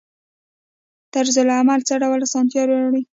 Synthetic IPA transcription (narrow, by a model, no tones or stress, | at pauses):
t̪aɾzʊlamalt͡səɖawəlasɑnt̪jɑɾoaɽi